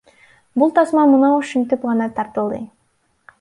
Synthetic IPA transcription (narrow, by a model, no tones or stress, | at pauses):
bulˠt̪ʰɑsmɑmunɑʃynt̪ypʁɑnɑt̪ʰɑɾt̪ɯlˠd̪ɯ